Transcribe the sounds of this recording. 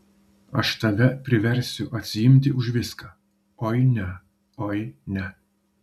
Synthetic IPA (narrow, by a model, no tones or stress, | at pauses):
ɐʃt̪ɐʋʲɛpʲɾʲɪʋʲɛɾʲˑsʲʊʔɐt̪ʲsʲɪjɪmʲt̪ʲɪʊʒʋʲɪskɑː | oɪnʲɛ | ojɪnʲɛ